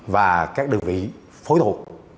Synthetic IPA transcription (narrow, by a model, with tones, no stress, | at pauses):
vaː˨˩kaː˦˥k̚ɗɨ˨˩ŋvḭ˧˨ | fo˨˦jt̪ʰu˨˩ət̚